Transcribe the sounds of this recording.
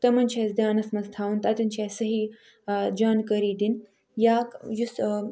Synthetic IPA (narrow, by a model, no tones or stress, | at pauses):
t̪ɐmɐnt͡ʃʰesd̪ʲjaːnɐsmɐst̪ʰaːwunt̪ɐt̪unt͡ʃʰeːsɐɦiː | d͡ʒaːnkɐɾiːd̪in | jaːkjus